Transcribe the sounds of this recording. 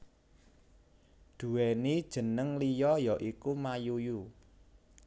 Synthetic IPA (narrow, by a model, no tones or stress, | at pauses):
d̪̥ṳwɛnid̥ʒ̥ə̤nəŋlijɔjɔʔikumajuju